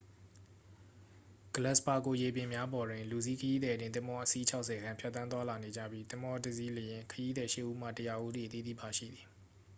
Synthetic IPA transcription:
ɡ̥ə˨lɛ˦ʔspa˨ko˨je˨pɪ̃˨mja˦bɔ˨dwɪ̃˨lu˨zi˦˨kʰəji˦d̪ɛ˨dɪ̃˦˨t̪ɪ̃˦mbɔ˦ʔə˦si˦t͡ɕʰa˦ʊʔsɛ˨ɡã˦mpʰjt̪ːθã˦nt̪wa˦la˨ne˨d͡ʑä̰˦˨bji˦t̪ɪ̃˦mɔ˦də˨zi˦lə˨jɪ̃˨kʰəji˦d̪ɛ˨ʃɪ˦ʔːu˦m̥ä̰˦˨tə˨ja˨ʔu˦d̪i˨ʔət̪ḭ˦˨d̪ḭ˦˨ba˨ʃḭ˦˨d̪i˨

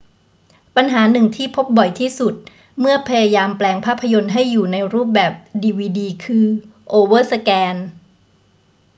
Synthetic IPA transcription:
pa˧nɦaː˩˦nɯ˨˩ŋt̪ʰiː˥˩pʰo˦˥p̚bɔ˨˩jt̪ʰiː˥˩su˨˩t̪̚ | mɯ˥˩ɐpʰa˧ja˧jaː˧mplɛː˧ŋpʰaː˥˩pʰːa˧jo˧nɦa˥˩jːuː˨˩na˧jɾuː˥˩p̚bɛː˨˩p̚diː˧wiː˧diː˧kʰɯː˧ʔoː˧wɤː˥˩sa˧kɛː˧n

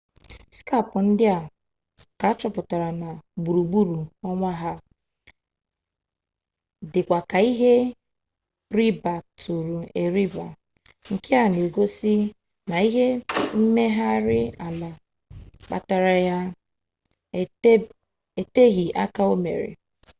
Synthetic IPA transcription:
ska˦˨pʊ˨n̩˦dɪ˦a˨ | ka˨a˦t͡ʃɔ˦pʊ˨ta˨ɾa˨na˨ɡ͡bu˨ɾu˨ɡ͡bu˦ɾu˨ɔ˦ŋʷa˦ɦa˦ | dɪ˨kʷa˨ka˨i˦ɦe˦ | ɾi˦ba˨tʰu˨ɾu˨e˨ɾi˦ba˨ | ŋ̩˨ke˦a˨no˨ɡo˦si˦ | na˨i˦ɦe˦m̩˦me˦ɦa˦ɾɪ˦a˨la˨ | k͡pa̰˨ta˨ɾa˨ja˦˨˦ | e˨te˦ɣi˨ʔa̰˦ka˦o˦mḛ˨ɾɪ̰˨

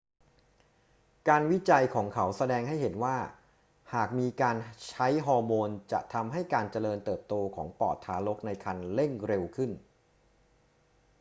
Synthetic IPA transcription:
kaː˧nwi˦˥t͡ɕa˧jkʰɔː˩˦ŋkʰa˦˥wsa˧dɛː˧ŋɦa˥˩jɦe˩˦nwaː˥˩ | haː˨˩k̚miː˧kaː˧nt͡ɕʰa˦˥jɦɔː˧moː˧nt͡ɕa̰˨˩ʔt̪ʰa˧mɦa˥˩jkaː˧nt͡ɕa˧lɤː˧nt̪ɤː˨˩p̚t̪oː˧kʰɔ̰ː˩˦ŋpɔ̰ː˨˩t̪ʰːaː˩˦lo˦˥k̚na˧jkʰa˧nle˥˩ŋɾe˧wkʰɯ˥˩n

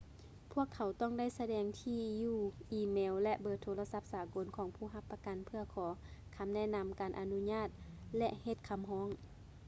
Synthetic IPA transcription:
pʰu˥˩əkʰːa˨˩wt̪ɔː˥˨ŋda˥˩˨jsa˧dɛː˨˧˩ŋt̪ʰiː˧juː˧˩ʔiː˧˩mɛː˧˦wlɛ˧ʔbɤː˧˩t̪ʰːoː˧la˧sa˧˥p̚saː˨˦ko˨˦nkʰɔː˨˦ŋpʰuː˧˩ɦa˧pːa˧ka˨npʰɯ˧ɐkʰɔː˨˦kʰa˧˦mnɛ˧˥˨na˧mkaː˨nʔa˨nu˧˥ɲaː˧˥˩t̪̚lɛ˧ʔhe˧˩t̪̚kʰa˧˨mɦɔː˧˥˨ŋ

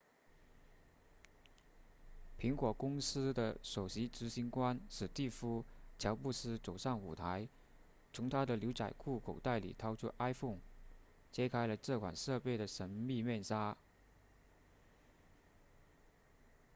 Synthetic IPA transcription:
pʰi˧˥ŋkwɔ˨˩kʊ˥ŋsɹ̩˥d̪ə˨ʂo˨˩ʊɕi˧˥ʈ͡ʂɻ̩˧˥ɕi˧˥nkwa˥nʂɻɹ̩˨˩t̪i˥˩fu˥t͡ɕʰjɑ˧˥ʊpu˥˧sɹ̩˥t͡so˨˩ʊʂɑ˥˩ŋu˨˩t̪ʰa˧˥ɪ | t͡sʰʊ˧˥ŋt̪ʰa˥d̪ə˨ljo˧˥ʊt͡sa̰˨˩ɪkʰu˥˩kʰo˨˩ʊt̪a˥˩ɪlḭ˨˩t̪ʰɑ˥ʊʈ͡ʂʰu˥ʔa˥ɪfʊ˥˩ŋ | t͡ɕjɛ˥kʰa˥ɪlə˨ʈ͡ʂɤ˥˩kʰwa̰˨˩nʂɤ˥˧pe˥˩ɪɾə˩ʂə˧˥nmi˥˧mjɛ˥˧nʂa˥

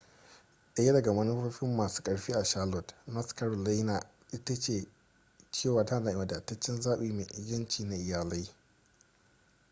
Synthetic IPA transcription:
ʔɐ˨˦jɐ˦dɐ˨ɡa˨mɐ˦ni˦o˦ɸɪ˦mːaː˨su̥ː˦kʼɐ˨ɽɸiː˦ʔa˨ʃaː˦lɔ˨tna˦ska˦ɾla˦na˨ | ʔɪ˦tɐ˦t͡ʃeː˨ | t͡ʃeː˦˨waː˨ta˦˨naː˨ʔɪ˨mɐ˨da˨tːɐ˦t͡ʃːɪ˦nzaː˦ɓiː˦˨mḛ˨ʔɡɐ˦nt͡ʃiː˨na˨ʔɪ˨jaː˨la˦j

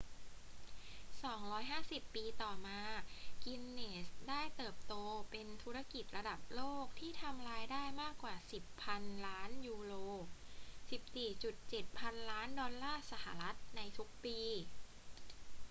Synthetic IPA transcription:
sɔː˩˦ŋɾɔː˦˥jɦaː˥˩si˨˩pːiː˧t̪ɔː˨˩maː˧ki˧mneː˨˩sdaː˥˩jt̪ɤː˨˩p̚t̪oː˧pe˧nt̪ʰu˦˥ɾa˧ki˨˩t̪̚ɾa˧da˨˩p̚loː˥˩k̚t̪ʰiː˥˩t̪ʰa˧mɾaː˧jdaː˥˩jmaː˥˩kːwaː˨˩si˨˩pʰa˧nlaː˦˥njuː˧ɾoː˧si˨˩p̚siː˨˩t͡ɕu˨˩t̪̚t͡ɕe˨˩t̪̚pʰa˧nlaː˦˥ndɔː˧nlaː˥˩sa˧˦ha˧˩˦ɾa˦˥t̪̚na˧jt̪ʰu˦˥k̚piː˧

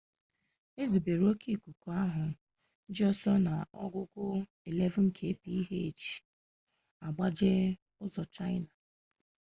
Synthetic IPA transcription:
e˦zu˨be˨ɾo˦ki˦˨ku˨ku˨a˦ɦʊ˨ | n̩˦d͡ʒi˦ɔ˦sɔ˦na˨ɔ̰˦ɡʊ˦kʊ˦ | e˨le˦vŋ̩˦kʰe˨˦˨pi˦i˦ɦe˦e˨t͡ʃi̥˨ | a˨ɡ͡ba˦d͡ʒe˦ | ʊ˦zɔ˨t͡ʃa˦ɪ˦na˨

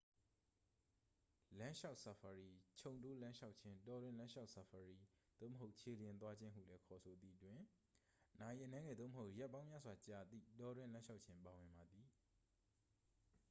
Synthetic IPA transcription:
lã˦ʃa˦ʊʔsa˨fʰa˨ɹi˨t͡ɕʰõ˨ʊ̃nto˦lã˦ʃa˦ʊʔt͡ɕʰɪ̃˦ntɔ˨dwɪ̃˦˨lã˦ʃa˦ʊʔsa˨fʰa˨ɹi˨d̪̥o̰˦˨məɦo˦ʊʔt͡ɕʰe˨ljɪ̃˨nt̪wa˦d͡ʑɪ̃˦ɦṵ˦˨lɛ˦kʰɔ˨so˨d̪ḭ˦˨ətwɪ̃˨ | na˨ji˨ʔə˨nɛ̃˦ŋɛ˨d̪o˦˨məɦo˦ʊʔjɛ˦ʔpːã˦ʊ̃mja̰˦zwa˨t͡ɕa˨d̪ḭ˦˨tɔ˦˨dwɪ̃˦˨lã˦ʃa˦ʊʔ̚t͡ɕʰɪ̃˦mpa˨wɪ̃˨mba˨d̪i˨

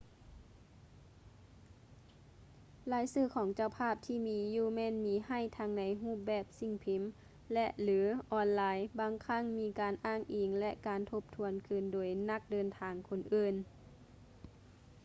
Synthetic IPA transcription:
laː˨˦jsɯː˧˥˩kʰɔː˨˩˦ŋt͡ɕa˧wpʰaː˧˥˩p̚t̪ʰiː˧˩miː˧˦juː˧˩mɛː˧˥˨nmiː˨˦ha˧˥˩jt̪ʰa˧ŋna˨˦jɦuː˥˩p̚bɛː˧˩p̚si˧˩ŋpʰi˨˦m | lɛ˧ʔlɯː˨˦ʔɔː˧nlaː˨˧jbaː˧˦ŋkʰa˧˥˩ŋmiː˧˥kaː˨nʔaː˧˥˩ŋʔiː˨˩ŋlɛ˧ʔkaː˨nt̪ʰo˧p̚t̪ʰu˧ənkʰɯ˧˩ndoː˨˩jna˧˥˩k̚dɤː˧nt̪ʰaː˨˧ŋkʰo˧˩nʔɯː˧˩n

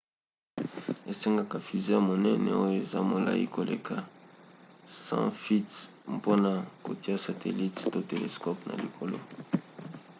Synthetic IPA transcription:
e˨se˦ŋɡa˦ka˨fi˨ze˦ja˨mo˨nɛ˦nɛ˨o˦jo˦e˨za˦mo˨la̰˨ḭ˦ko˨lʔe˨kʰa˨ | sã̰˦fi˦t | po˦na˨ko˨ti˦a˦sa˨tʰe˨li˦tto˦te˨lḛ˨skɔ˦pna̰˨li˨kʰo˨lo̰˦

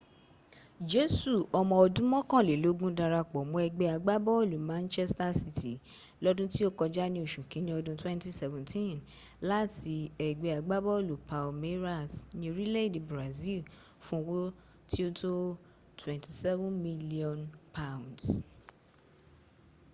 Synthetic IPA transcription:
d͡ʒe˨˦su˦˨ɔ˧mɔ̃˧ɔ˧dũ˦mɔ̃˦kã˦˨le˨lo˨˦ɡũ˦da˧ɾa˧k͡pɔ˨mɔ̃˨˦ɛ˧ɡ͡be˧a˧ɡ͡ba˦bɔ˦o˦˨lu˨mã˦nt͡ʃɛ˦sta˦si˧tʰi˨ | lɔ˦dũ˦ti˦o˦kɔ˧d͡ʒa˦nĩ˧˦o˨ʃũ˨kĩ˨˦nĩ˦ɔ˧dũ˦twɛ̃˦nti˦sɛ˨vɛ̃˨tʰĩ˦˨n | la˦tʰi˧ɛ˨ɡ͡be˧˦a˧ɡ͡ba˦bɔ˦o˦˨lu˨pa˨lme˦ɾa˦˨snĩ˧o˧ɾi˦le˦i˦˨di˨bɾa˨zi˦˨l | fũ˦o˧wo˦ | tʰi˦o˦to˦ | tʰwɛ̃˨nti˨sɛ˦vũ˦nmi˦li˦ɔ̃˨npʰa˦˨w̃nds

